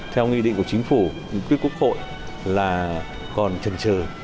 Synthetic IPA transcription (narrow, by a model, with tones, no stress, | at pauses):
t̪ʰɛ˧wŋwḭ˧ɗḭ˧˨ŋku˧˩t͡ɕi˨˦ŋ̟fu˧˩ɲɨ̰˧˥ŋkwi˦əku˦˥ək̚ho̰˧˨j | laː˨˩ | kɔ˨˩nt͡ɕə˨˩nt͡ɕəː˨˩